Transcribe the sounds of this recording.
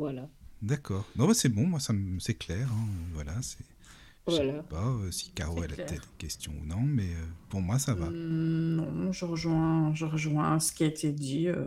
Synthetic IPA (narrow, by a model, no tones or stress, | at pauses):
vwalad̪akʰɔːʁnɔ̃basɛbɔ̃mwasaməsɛklɛʁɛ̃øvwalasɛ | walpaøsi̥kaʁoɛlɛ̰pət̪ɛt̪χkʲɛst̪ʰjɔ̃ṵnɔ̃mɛøpuʁmwasavanɔ̃ʒəʁəʒwɛ̃ʒəʁəʒwɛ̃sə̥kʲiaet̪ʰed̪iø